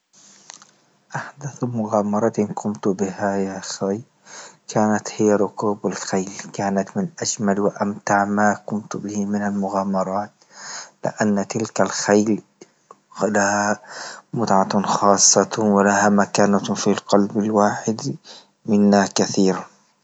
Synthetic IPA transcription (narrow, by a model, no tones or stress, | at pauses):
ʔaħd̪aθmʊɣaːmɑɾˤɑt̪kʰʊmt̪bɪhajasaj | kʰaːnat̪hɪjːaɾˤʊkuːbalxajlkaːnat̪mɪnʔaʃmalwɪʔamt̪aʕmakʊmt̪bɪhimɪnalmʊɣaːmɑɾˤɑːt̪ | lɪ̰ʔanːat̪ɪlkalxajl | lahamʊt̪ʕaxɑːsˤːɑwɪlahamakaːnafilqɑlbalwaːħɪd̪ | mɪnːakaθiːɾa